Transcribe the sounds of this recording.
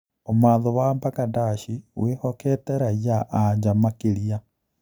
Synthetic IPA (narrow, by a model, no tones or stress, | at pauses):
omaːðɔwambakadaʃiwehɔkɛtɛɾajaʔaɲd͡ʒamakeɾia